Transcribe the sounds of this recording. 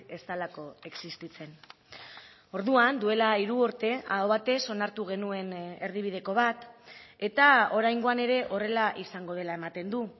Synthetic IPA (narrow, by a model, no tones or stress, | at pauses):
e̞st̪alako̞e̞ksist̪it͡se̞n | o̞ɾðuand̪ue̞laiɾuoɾt̪e̞aoβat̪e̞so̞naɾt̪uɣ̞e̞nue̞ne̞ɾðiβ̞ið̞e̞ko̞βat̪e̞t̪ao̞ɾajŋɡo̞ane̞ɾe̞ʔo̞re̞laʔisaŋɡo̞ð̞e̞lae̞mat̪e̞nd̪u